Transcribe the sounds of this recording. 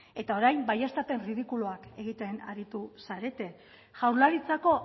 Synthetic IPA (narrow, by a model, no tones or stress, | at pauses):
e̞t̪ao̞ɾajmbajast̪ape̞nrið̞ikuluake̞ɣ̞it̪e̞na̰ɾit̪usaɾe̞t̪e̞ | ʝawɾlaɾit͡sako̞